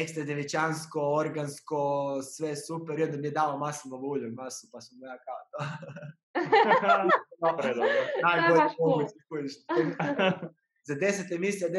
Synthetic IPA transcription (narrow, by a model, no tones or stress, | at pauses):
ekst̪ɾad̪eʋit͡ʃanskooɾɡanskosʋesupeɾiod̪amijed̪aːlomasiloluːʎumasupasumjakat̪a | opɾed̪najɡoɾmoɡuskujiʃi | zad̪e̞set̪emisiad̪